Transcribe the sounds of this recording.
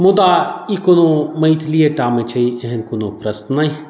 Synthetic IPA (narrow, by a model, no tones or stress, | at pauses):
mʊd̪aːikonomɐjt̪ʰlijeʈaːmet͡ʃʰɐieɦenkonopɾɐsnaj